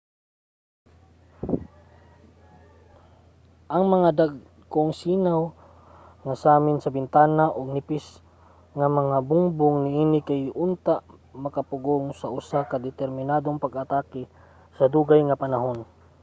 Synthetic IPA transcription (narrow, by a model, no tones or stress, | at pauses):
ʔaŋmaŋad̪aɡ | koŋsiːnaw | ŋasaːmɪnsabɪnt̪aːnaʔoɡ̚nɪpɪs | ŋamaŋabʊŋbʊŋnɪiːnɪkajʊnt̪aʔ | makapʊɡoŋsaʔʊsakad̪ɛt̪ɛɾmɪnad̪oŋpaɡat̪akɪ | sɐd̪uɡajŋapanaɦon